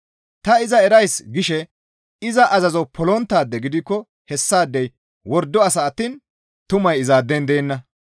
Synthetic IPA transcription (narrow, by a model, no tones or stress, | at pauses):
t̪ɐɪzɐɛɾɐjsɡɪʃɛ | ɪzɐʔɐzɐzɔpʰɔlɔnt̪ːaːd̪ːɛɡɪd̪ɪkːɔ | hɛsːaːd̪ːɛj | wɔɾd̪ːɔɐsɐːt̪ːiːn | t̪ʊmɐjɪzaːd̪ːɛnd̪eːnːɐ